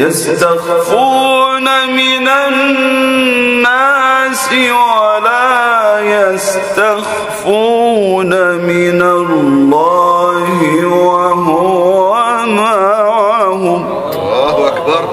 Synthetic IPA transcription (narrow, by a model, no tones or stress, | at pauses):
jast̪aɣfuːnamɪnannː | asɪwwalaːjast̪ax | funamɪnallːɑːhɪwaɦʊamaʕhʊm | akbɑɾˤ